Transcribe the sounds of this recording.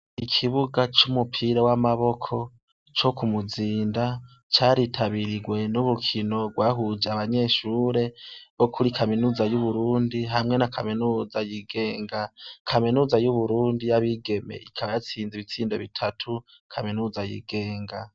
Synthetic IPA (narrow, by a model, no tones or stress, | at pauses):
ikʰiβuɡat͡ʃumupʰiːɾowamaβo̞kʰo̞ | t͡ʃo̞kumuziːnda | t͡ʃaːɾitʰaβiɾiɡwe̞nuβukʰino̞ɡwaɦud͡ʒaβaɲe̞ːʃuːɾe̞βo̞kʰuɾikaminuːzajuβuɾuːndiɦamŋe̞nakʰaminuːzajiɡe̞ːŋɡakʰaminuːzajuβuɾuːndijaβiɡe̞mḛikʰaβajat͡siːnziβit͡siːndoβitʰatʰu | kʰaminuːzajḭɡe̞ːŋɡa